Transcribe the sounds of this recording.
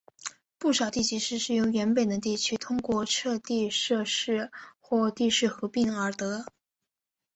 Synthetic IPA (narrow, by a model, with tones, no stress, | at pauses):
pu˥˩ʂɑ˨˩ʊt̪i˥˩t͡ɕi˧˥ʂɻ̩˥˧ʂɻ̩˥˩jo˧˥ʊɥɛ˧˥npe˨˩ɪd̪ə˦t̪̬i˥˩t͡ɕʰy˥t̪ʰʊ˥ŋkwɔ˥˩ʈ͡ʂʰɤ˥˧t̪i˥˧ʂɤ˥˧ʂɻ̩˥˧xwɔ˥˧t̪i˥˧ʂɻ̩˥˩xɤ˧˥pi˥˩ŋə˞˧˥t̪ɤ˧˥